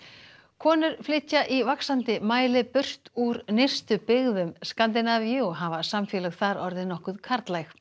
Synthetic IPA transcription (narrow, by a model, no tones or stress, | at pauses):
kʰɔːnʏɾ̥flɪc̪ːaʔivaksant̪ɪmaːjlɪpʏr̥t̪uɾnejr̥st̪ʏpɪɣðʏmskant̪̬ɪnavjʏɔɦavasamfɛːlɛɣθaɾɔɾðɪnɔhkʏðkʰaɾ̥t̪lajx